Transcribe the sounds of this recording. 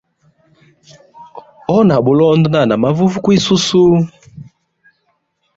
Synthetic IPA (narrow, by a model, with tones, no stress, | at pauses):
ɔ˦na˨bu˨lɔ˦ndɔ˦na˦˨na˨ma˦vu˦vu˦kwi˦su˦su˦